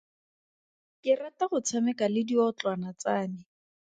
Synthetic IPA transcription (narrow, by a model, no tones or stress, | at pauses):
kɪrataχʊt͡sʰamɛkalɪdiɔt͡ɬwanat͡saːnɪ